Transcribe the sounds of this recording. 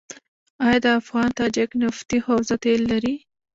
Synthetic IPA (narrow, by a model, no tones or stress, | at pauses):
ɑjɑd̪əafɣɑnt̪ɑd͡ʒɪknɪft̪ihawzat̪elːaɾi